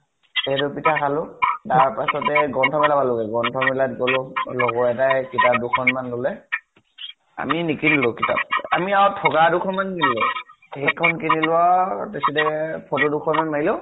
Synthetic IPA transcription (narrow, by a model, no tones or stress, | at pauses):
ɛdɔpitʰakalʊtaɹpasɔtɛɡɔntʰɔmɛlabalɔɡɛɡɔntʰɔmɛlat̚ɡɔlʊlɔɡɔɛtajkitap̚dukʰɔnmanlɔlɛ | a̰minikinilʊkitʰa̰p̚a̰miawtʰɔɡadukʰɔnmannilɔ | hekʰɔnkinilʊwatesidɛpʰɔtudukʰɔnmanmaɹilɔ